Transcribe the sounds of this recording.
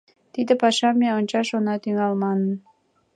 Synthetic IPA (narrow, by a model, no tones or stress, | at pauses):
t̪id̪əpɑʃɑmeonʲt͡ɕɑʃonɑt̪yŋɑlmɑnən